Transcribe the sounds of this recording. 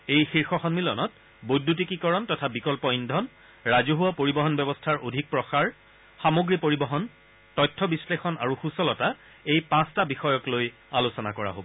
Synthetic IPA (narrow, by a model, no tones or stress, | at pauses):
ejxiɹxɔxɔnmilɔ̰nɔt̚ | bojdʱːut̬ikikɔɹɔntɔtʰabikɔlpɔindʱɔn | ɹazoɦuwapoɹibɔɦɔnbɛbɔstʰaɹʔodʱik̚pɹɔxaɹ | xamoɡɹipoɹibɔɦɔn | tɔjtʰːɔbislexɔna̰ɹuxusɔlɔta | ejpãstabixɔjɔkloj | alusɔna̰kɔɹa̰ɦo̰bɔ